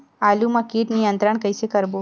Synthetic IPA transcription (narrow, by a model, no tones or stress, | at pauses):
alumãkiːʈnijənt̪ɾəɳkəjsekəɾbo